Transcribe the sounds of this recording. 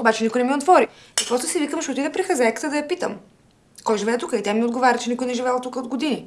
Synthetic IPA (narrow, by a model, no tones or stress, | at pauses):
obat͡ʃɛnikojnɛmiot̪vɔɾi | əpɾɔst̪ʊsivikəmʃot̪id̪ɛpɾixɐzɛjkə̥t̪əd̪ɐjɐpit̪ə̰m | kɔjʒivɛːt̪ukəit̪ɛmiod̪ɡovaɾʲət̪t͡ʃɛnikʊjnɛʒivɛlˠt̪ukəod̪ɡod̪ini